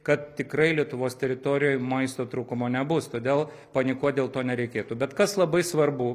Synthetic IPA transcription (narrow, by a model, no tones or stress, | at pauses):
kɐt̪̚t̪ʲɪkɾɐɪlʲiɛt̪ʊʋoːst̪ʲɛɾʲɪt̪oːɾʲɪjoːjmɐɪst̪oːt̪ɾuːkʊmoːnʲɛbʊst̪oːd̪ʲeːlˠ | pɐnʲɪkuɔt̪̚d̪ʲeːlˠt̪oːnʲɛɾʲɛɪkʲeːt̪uːbʲɛt̪kɐslˠɐbɐɪsʋɐrbʊ